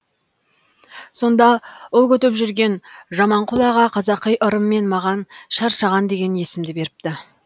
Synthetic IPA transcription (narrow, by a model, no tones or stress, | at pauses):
so̞nd̪ɑolˠkʲʰɵt̪ɪpʒʏɾɡʲe̞nʒɑmɑɴqʰʊlˠɑʁɑqʰɑzɑqːəjʔʊɾəmːe̞nmɑʁɑnʃɑɾʃɑʁɑnd̪e̞ɡʲe̞nje̞sɪmd̪ɪbe̞ɾɪp̚t̪ɪ